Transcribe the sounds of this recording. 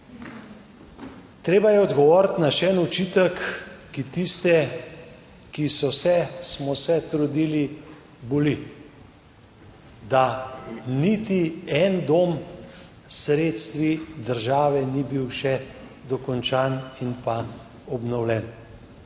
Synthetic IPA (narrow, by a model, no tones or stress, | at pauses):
t̪ɾeːbajɛɔd̪ɡɔʋɔːɾt̪naʃɛɛnut͡ʃiːt̪əkːit̪ist̪ɛ | kisɔsɛsmɔsɛt̪ɾud̪ili | boli | d̪a | nit̪iɛnd̪om | sɾeːt̪st̪ʋid̪əɾʒaːʋɛnibiwʃɛ | d̪ɔkɔnt͡ʃaːninpa | ɔbnɔwlɛn